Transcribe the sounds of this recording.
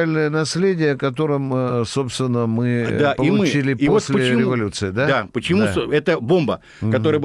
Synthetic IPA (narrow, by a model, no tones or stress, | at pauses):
alʲnəjənɐsʲlʲedʲɪjəkɐt̪̬o̞ɾɨmso̞pst̪vʲɪnːəmɨd̪apəiʊmɨt͡ɕilʲɪioossʲlʲɪɾʲɪvɐlʲut̪sɨɪd̪ad̪apət͡ɕɪmusɛt̪əbo̞mbə | kɐt̪o̞ɾəjəb